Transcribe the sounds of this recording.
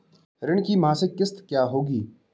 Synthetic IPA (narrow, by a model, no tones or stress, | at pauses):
ɾɪɳkiːmãːsekɪst̪kjaːɦoːɡiː